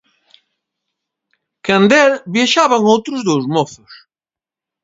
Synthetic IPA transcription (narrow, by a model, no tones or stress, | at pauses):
kand̪ɛlbjaʃaβaŋowt̪ɾʊzðowzmoθʊs